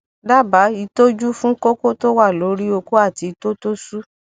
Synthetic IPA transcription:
da˦ba˨˦i˧to˦d͡ʒu˦fũ˦ko˦ko˦to˦wa˦˨lo˨˦ɾi˦o˧ko˦a˦˨ti˨˧i˧to˦to˦su˦

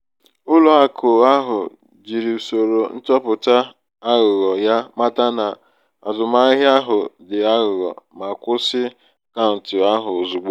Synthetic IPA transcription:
ʊ˦lʊ˨a˨kʰʊ˨a˦ɦʊ˨ | d͡ʒi˨ɾi˨u˨so˨ɾo˨n̩˦tɔ˦pʊ˨ta˦ | a˦ɣʊ˨ɣɔ˨ja˦ma˦ta˦na˨ | a˨zʊ˨ma˦ɪ˦ɦa˦ɦʊ˨dɪ˨a˦ɣʊ˨ɣɔ̰˨ma˨kʷʊ˦sɪ˦ | ka˦n̩˨tʊ˨a˦ɦʊ˨zu˨ɡ͡bo˦

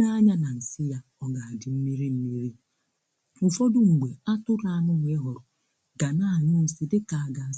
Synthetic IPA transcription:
a˦ɲa˦na˨n̩˨sɪ˦ja˦ | ɔ˦ɡa˨a˨dɪ˨m̩˦mi˦ɾi˦m̩˦mi˦ɾi˦ | ʊ˨fo˦dʊ˨ŋ͡m̩˨ɡ͡be˨a˦tʊ˦ɾa˦˨nʊ˦ŋʷ˨e˦ɦɔ˨ɾʊ˨ | ɡa˨na˦˨ɲʊ˦si˦dɪ˦ka˨a˨ɡa˨

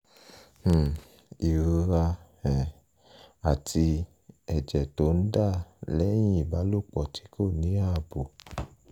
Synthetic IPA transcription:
i˨ɾu˧ɾa˧ | ɛ˨ | a˨tʰi˧ | ɛ˨d͡ʒɛ˨to˨˦n̩˦da˦˨lɛ˦j̃ĩ˦i˦˨ba˨˦lo˦˨k͡pɔ˨tʰi̥˨˦ko˦˨nĩ˨˦a˦˨bo˨

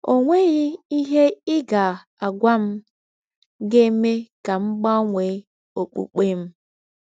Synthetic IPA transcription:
o˨ŋʷe˦ɣɪ˦i˦ɦe˦ɪ˦ɡa˨ | a˨ɡʷa˦m̩˦ | ɡe˦me˦ka˨m̩˦ɡ͡ba˦ŋʷe˨˦ | o˨k͡pṵ˨k͡pe˦m̩˦

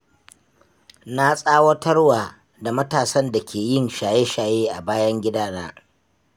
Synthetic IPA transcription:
na˦sʼaː˦wɐ˦tɐ˦rwaː˨ | da˨mɐ˦taː˨sɐ˦nda˨kʲʰeː˨jɪ˦˨nʃaː˨je˦ʃaː˨jeː˦ʔa˨baː˦jɐ˦ŋɡʲɪ˦daː˦naː˦

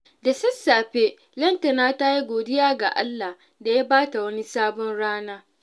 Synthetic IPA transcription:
da˨sɐ˦sːaː˨ɸe˦ | lɐ˦ntɐ˨naː˦ta˦ji˦ɡʷoː˨dɪ˦jaː˦ɡa̰˨ʔa̰˦lːa˨h | da˨ja˦baː˦ta˨wɐ˦ni˦saː˦bɔ˦nɽaː˦naː˦

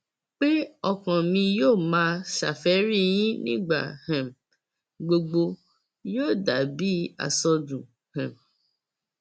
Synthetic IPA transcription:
k͡pe˦ɔ˧kã˨mĩ˧joː˦˨mãː˦ʃa̰˨fɛ˨˦ɾi˦˨j̃ĩ˦nḭ̃˦ɡ͡ba̰˦˨hɛ̃˨m | ɡ͡bo˧ɡ͡bo˧ | joː˦˨da˨bi˦a̰˨sɔ˧dũ˨ | hɛ̃˨m

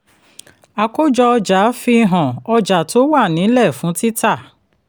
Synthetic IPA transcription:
a˨ko˦d͡ʒɔ˧ɔ˧d͡ʒa˨˦fi˧ɦɔ̃˨ɔ˧d͡ʒa˨to˦wa˦˨nĩ˨˦lɛ˦˨fũ˨˦ti˦ta˦˨

